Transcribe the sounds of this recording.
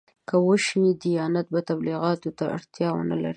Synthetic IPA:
kəwəʃnid̪ijɑnat̪̚bat̪abliɣɑt̪ot̪aa̰ɽt̪jɑwə̰na̰la̰ɾi

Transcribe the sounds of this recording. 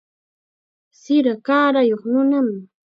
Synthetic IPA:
sɪɾakaːɾajoχnʊnam

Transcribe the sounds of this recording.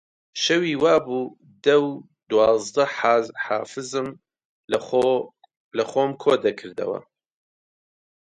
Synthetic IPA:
ʃɐwiːwaːbuː | d̪ɐw | d̪wɑːzd̪ɐħaːfɨzɨm | lɐxoːmkʰoːd̪ɐkʰɨɾd̪ɐ̰wɐ̰

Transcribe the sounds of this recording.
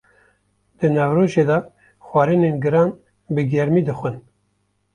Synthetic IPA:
d̪̥ɨnɑvɾoːʒeːd̪ɑ | xʷɑːɾɨneːnɡɨɾɑːn | bɨɡɛɾmiːd̪ɨxʷɨn

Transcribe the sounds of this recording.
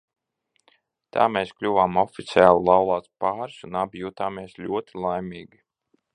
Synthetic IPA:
t̪ʰa̰ːmeːsklʲuvaːmɔfʲit̪sʲiaːlˠulˠawlˠaːt̪spaːɾsunabjuːt̪aːmeɛslʲuɔt̪ʰilˠajmʲiːɡʲi

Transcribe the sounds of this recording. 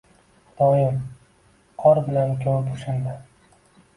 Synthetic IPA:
d̪̥ɒjɪm | qʰɒɾbɪlankʲʰoɾɪpʊʃand̪a

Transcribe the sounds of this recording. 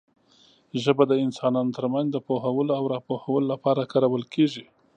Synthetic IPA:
ʒəbad̪əɪnsɑnɑnot̪əɾmanzd̪əpoɦawəloawɾɑpohawəlolapɑɾakɑɾawəlkeʒi

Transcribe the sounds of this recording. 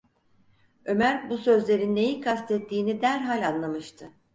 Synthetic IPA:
ø̞mæɾbusø̞zlʲe̞ɾinːe̞jikʰast̪ʰɛt̪ʰːiːnid̪æɾɦalʲanlˠamɯʃt̪ʰɯ

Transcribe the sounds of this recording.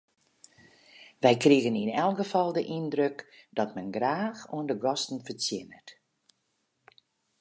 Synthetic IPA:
ʋɛjkriəɣəninɛlˠɡəfɔlˠdəʔindrøkd̥ɔtmɛnɡraːxuəndəɡɔstn̩fət͡sjɪnət

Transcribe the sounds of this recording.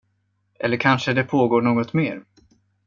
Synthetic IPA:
ʔɛlːəɾkʰanʂəd̪ɛpʰoːɡoːɳoːɡɔt̪meːɾ

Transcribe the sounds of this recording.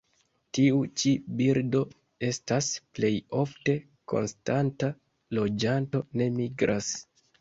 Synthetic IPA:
tiut͡ʃibiɾdo̞ | e̞stasple̞jo̞fte̞ | ko̞̰nstanta | lo̞d͡ʒanto̞ne̞miɡɾʔas

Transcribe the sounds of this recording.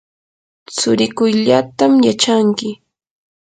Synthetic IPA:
t͡sʊɾɪkʊjʎat̪amjat͡ʃaŋkɪ

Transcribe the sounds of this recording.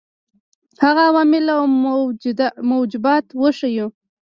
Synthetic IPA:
haɣaːwɑmɪlaw | mowd͡ʒɪbɑt̪wəʃaju

